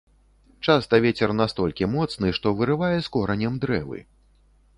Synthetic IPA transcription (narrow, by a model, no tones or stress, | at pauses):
t͡ʂast̪ɐvʲet͡sʲɛrnast̪ɔlʲkʲimɔt̪snɨʂt̪ɔvɨɾɨvajɛskɔɾɐnʲɐmd̪ɾɛ̰vɨ̰